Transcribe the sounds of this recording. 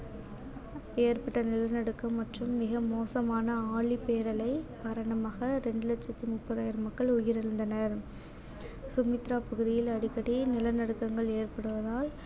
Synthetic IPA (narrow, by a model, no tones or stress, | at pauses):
eːɾpɐʈːɐnɪlɐnɐɽɯkːɐmːɐʈrɯmːɪɣɐmoːsɐmaːnɐaːɭipːeːɾɐlɐɪpɐɾɐɳɐmaːɣɐɾɛɳɖɯlɐt͡ʃːɐt̪ːimʊpːɐðaːjɪɾɐmɐkːɐɭʊjɪɾɪɾɯnd̪ɐnɐɾ | sʊmɪt̪ɾaːpɐɣɯðɪjɪlɐɽɪkːɐɽinɪlɐnɐɽɯkːɐŋɡɐɭeːɾpɐɽɯʋɐðaːl